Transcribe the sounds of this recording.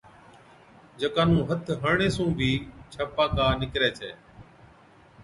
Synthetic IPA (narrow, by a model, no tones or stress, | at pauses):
d͡ʒəkaːnũːɦət̪ʰɦəɾɳeːsũːbʱiːt͡ʃʰəpaːkaːnɪkɾeːt͡ʃʰeː